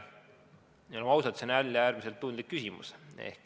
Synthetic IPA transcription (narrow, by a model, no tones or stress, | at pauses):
neloɑwsɑt̪senælʲːjɑæːɾmise̞lt̪ːund̪likːysʲimṵsḛhk